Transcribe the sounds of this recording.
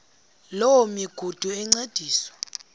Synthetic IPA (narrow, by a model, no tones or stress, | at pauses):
lowɔmiɡ̥ʱud̥ʱuɛŋ͡ǀed̥ʱiːswḁ